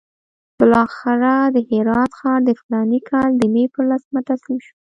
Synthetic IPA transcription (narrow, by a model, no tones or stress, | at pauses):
b̥əlɑxɪɾad̪əhɪɾɑt̪xɑnd̪əfɪlɑnikʰɑld̪əmepəɾlasmat̪asimʃu